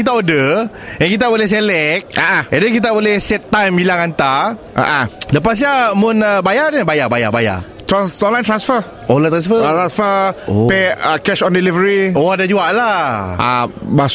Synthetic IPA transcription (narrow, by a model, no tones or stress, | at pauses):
it̪aodə | jãŋkit̪̬abolɛhs̬elɛk̚aʔãadək̬it̪̬abolɛhsɛt̪ːajmbilaŋant̪aʔa̰ʔãləpas̬ijamʊ̃nəbajanəbajabaja̰baja̰ | t̪ɾanɔ̃nlaj̃nt̪ɾãnsfə | ɔ̃nlaj̃nt̪ɾansfət̪ɾansfəopeəkɛʃɔ̃ndilivəɾiodad͡ʒuaʔlaʔa̰bas